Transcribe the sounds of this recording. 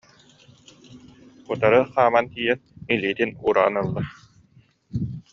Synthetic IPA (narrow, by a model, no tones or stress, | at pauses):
ut̪aɾɯχaːmant̪iːjɛniliːt̪inuːɾa̰ːnɯlˠːa